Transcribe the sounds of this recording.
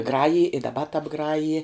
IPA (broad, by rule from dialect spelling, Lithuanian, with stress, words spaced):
ˈɡrɑːjɪj ɪ dɐˈbɐ tɐbˈɡrɑːjɪ